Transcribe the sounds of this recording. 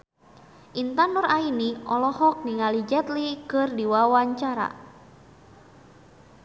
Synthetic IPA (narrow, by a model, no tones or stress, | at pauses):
ʔint̪anɔrainiɔlɔhɔk̚niŋalid͡ʒɛt̪likɨrdiwawaɲt͡ʃaɾa̰